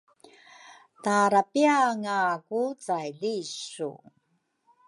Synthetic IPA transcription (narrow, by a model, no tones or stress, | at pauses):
taɾapiaŋakut͡sajɮiɕṵ